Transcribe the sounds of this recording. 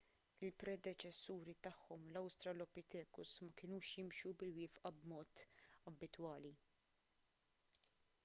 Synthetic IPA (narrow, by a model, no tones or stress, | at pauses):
ɪlpɾɛd̪ɛt͡ʃɛsːuːɾit̪ɐħːɔmlɐwst̪ɾɐlɔpit̪ɛːkʊsmɐkɪnuːʃjɪmʃubɪlwɪːfʔɐbmɔːt̪ɐbːɪt̪wɐːli